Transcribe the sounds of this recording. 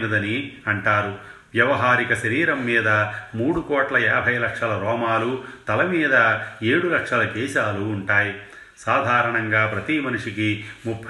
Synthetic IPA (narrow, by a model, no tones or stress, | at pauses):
nɐd̪ɐniɐɳʈaːɾu | ʋjɐʋɐɦaːɾikɐʃɐɾiːɾɐmːiːd̪ɐmuːɽukɔːʈlɐɛːbʱɐjlɐkʂɐlɐɾɔːmaːlut̪ɐlɐmiːd̪ɐeːɽulɐkʂɐlɐkɛːʃaːluːɳʈaːji | saːd̪ʱaːɾɐɳɐŋɡaːpɾɐt̪imɐnuʂikimupʰ